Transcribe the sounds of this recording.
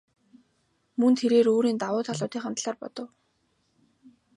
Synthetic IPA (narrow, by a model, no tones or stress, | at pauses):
mɵnt̪ʰeɾeːɾoːɾiːnt̪awʊːt̪ʰaɮʊːt̪iːχamt̪ɮaːrpɔ̰t̪ɞ̆w